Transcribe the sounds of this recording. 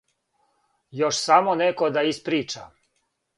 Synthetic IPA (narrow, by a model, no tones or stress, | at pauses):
joʃsamonekod̪aispɾiːt͡ʃa̰